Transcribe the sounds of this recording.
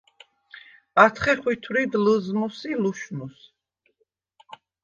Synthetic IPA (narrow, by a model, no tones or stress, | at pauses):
at̪ʰχɛχwit̪ʰwɾid̪ləzmusiluʃnus